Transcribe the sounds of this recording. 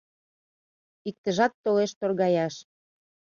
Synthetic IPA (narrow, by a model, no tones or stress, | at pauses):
ik̚t̪ə̆ʒɑt̪ːoleʃt̪orɣɑjɑʃ